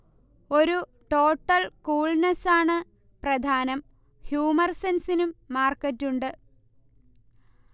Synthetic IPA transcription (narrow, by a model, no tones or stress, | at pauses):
o̞ɾu | ʈo̞ːʈːɐlkuːɭnɐsaːɳɨ | prɐd̪ʱaːnɐm | hjuːmɐrsensinumːaːrkɐtːuɳɖɨ